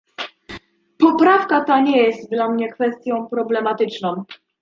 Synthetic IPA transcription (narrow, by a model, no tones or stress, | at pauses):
pɔpɾafkat̪aɲɛjɛst̪d̪lamɲɛkfɛst̪ʲjɔ̃w̃pɾɔblɛmat̪ɘt͡ʂnɔ̃w̃